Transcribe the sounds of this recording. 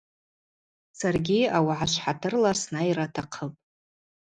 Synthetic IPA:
sarɡʲiawaʕaʃʷħatʰɨrlasnairatʰaqʰəpʼ

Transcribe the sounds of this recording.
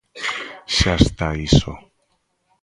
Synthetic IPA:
ʃast̪aiso̰

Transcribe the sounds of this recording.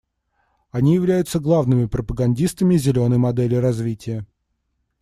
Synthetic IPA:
ɐnʲijɪvlʲæjʊt̪səɡlˠavnɨmʲɪpɾəpəɡɐnʲdʲist̪əmʲɪzʲɪlʲo̞nəjmɐd̪ɛlʲɪɾɐzvʲitʲɪjə

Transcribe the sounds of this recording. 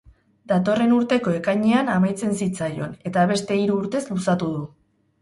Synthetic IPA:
d̪at̪o̞re̞nuɾt̪e̞ko̞e̞kajɲeanamajt͡se̞nsit͡sajo̞ne̞t̪aβ̞e̞st̪e̞iɾuːɾt̪e̞zlusat̪uðu

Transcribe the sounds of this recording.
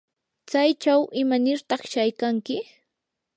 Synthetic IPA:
t͡sajt͡ʃawʔɪmanɪɾt̪ɑχʃajkaŋkɪ

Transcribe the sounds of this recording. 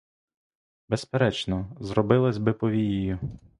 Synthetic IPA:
bespeɾɛt͡ʃnɔzrɔbɪlˠɐzʲbɪpɔʋʲijijʊ

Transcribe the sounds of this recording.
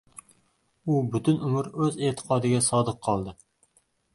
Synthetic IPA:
ubyt̪ʰynumʊɾøzeːt̪ʰə̥qʰɑːd̪ɪɡʲɛsɑːd̪əqʰɑlˠd̪ɨ

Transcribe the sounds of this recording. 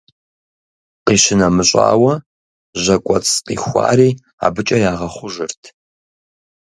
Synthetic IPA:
qiʃɪnamɨɕʼa̰ːwɐ | ʑɐkʷʼɔt͡sʰʼqḭːxʷa̰ːɾiː | a̰ːbɨt͡ʃʼɐjaːʁɐχʷʊʒɨrtʰ

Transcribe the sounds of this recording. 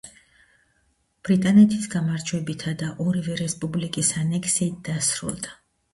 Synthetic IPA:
b̥ɾit̪ʼanɛt̪ʰisɡamaɾd͡ʒʰwɛbit̪ʰad̪aʔɔɾivɛɾɛspʼublikʼisanɛkʰsiːt̪̚d̪̥asɾṵlˠd̪a

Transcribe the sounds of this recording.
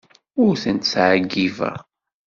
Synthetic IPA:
ʊɾθənt̪sʕəɡːivæ̰

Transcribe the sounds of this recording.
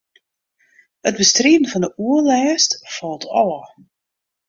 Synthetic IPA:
hət̚bəstriədən̩vɑndəʔuəlɛːstfɔlˠtʰɑ̰lə

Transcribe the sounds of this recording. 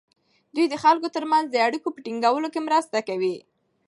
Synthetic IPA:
d̪ujd̪əxalkot̪əɾmanzd̪əaɽikopəʈiŋɡawəlokemɾəst̪akawi

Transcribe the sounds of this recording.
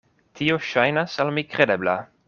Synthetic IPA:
tʰioʃajnasalmikɾede̞bla̰

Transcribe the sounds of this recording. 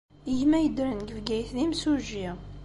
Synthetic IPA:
əʝmæjəd̪ɾənɡəvɡæjθðimsuʒi

